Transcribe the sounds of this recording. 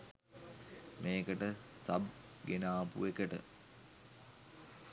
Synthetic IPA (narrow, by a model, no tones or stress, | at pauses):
meːkəʈəsɐ̰b | ɡenaːpṵʋekəʈə̰